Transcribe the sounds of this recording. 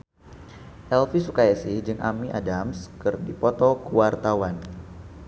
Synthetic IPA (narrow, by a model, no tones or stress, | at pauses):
ʔɛlfisukajasɪhd͡ʒɨŋʔa̰miʔa̰damskɨrdipɔt̪ɔkuwart̪awan